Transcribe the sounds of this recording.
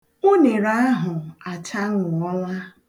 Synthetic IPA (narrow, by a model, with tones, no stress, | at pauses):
o˦ne˨ɾa˦a˦ɦʊ˨a˨t͡ʃa˦ŋʊ˨ɔ˦la˦